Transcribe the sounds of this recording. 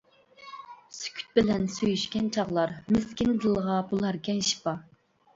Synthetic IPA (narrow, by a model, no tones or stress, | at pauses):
sy̥kʲʰy̥t̪̚bɪlɛnsøjyʃkʲɛnt͡ʃʰɑʁlˠɑɾmɪskʲɪnd̪ɨlˠʁɑbulˠɛɾkʲɛnʃi̥pɑ